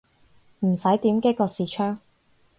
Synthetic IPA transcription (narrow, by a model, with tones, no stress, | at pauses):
m̩˨˩sɐ˨˥jt̪iː˨˥mkeː˥kɔː˧siː˨˧t͡ʃʰœː˥ŋ